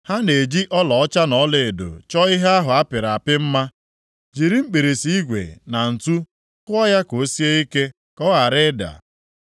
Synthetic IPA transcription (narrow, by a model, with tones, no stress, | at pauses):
ha˦ne˨d͡ʒi˦ʔɔ˦lɔ˨ɔ˦t͡ʃa˦nɔ˨˦le˨e˨do̰˨t͡ʃɔ˦i˦ɦe˦a˦ɦʊ˨a˦pɪ˨ɾa˨pɪ˦m̩˦ma˦ | d͡ʒi˨ɾi˦m̩˦k͡pe˨ɾe˨si˦i˦ɡʷḛ˨na˨n̩˨tu˦ | kʊ˦ɔ˦ja˦ko˨˦si˦e˦i˦ke˦ | kɔ˦a˨ɾɪ˦da̰˨